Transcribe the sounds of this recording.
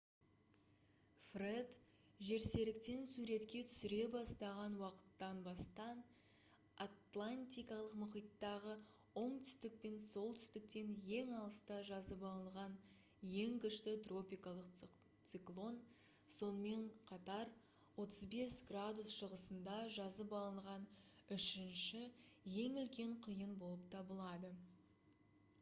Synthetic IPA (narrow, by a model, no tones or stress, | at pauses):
fred̪ | ʒe̞ɾse̞lɪk̚t̪e̞nsuɾe̞t̪kʲe̞t̪ʰʏ̥sɪɾe̞bɑst̪ɑʁɑnwɑqə̥t̪ːɑnbɑst̪ɑn | at̪lˠanʲt̪ʲijkɑlˠəqmʊqijt̪ːɑʁə | o̞ɴt̪ʰʏ̥st̪ɪk̚pe̞nso̞lˠt̪ʰʏ̥st̪ɪk̚t̪e̞nje̞ŋɑlˠəst̪ɑʒɑzəpɑlˠəlˠʁɑn | je̞ŋkʲɪʃt̪ɪt̪ro̞pʲijkɑlˠəq | t̪siklˠo̞n | so̞nəme̞ɴqʰɑt̪ɑɾ | wo̞t̪əzbe̞sɡrad̪usʃəʁəsənd̪ɑʒɑzəpɑlˠəɴʁɑnʏʃɪnʃɪje̞ŋʏlkʲe̞ɴqʰijənbo̞lˠəp̚t̪ʰɑbəlˠɑd̪ə